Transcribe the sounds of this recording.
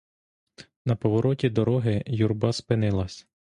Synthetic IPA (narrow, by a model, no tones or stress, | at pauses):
nɐpɔʋɔɾɔtʲid̪ɔɾɔɦɪjurbɑspɪnɪlˠɐsʲ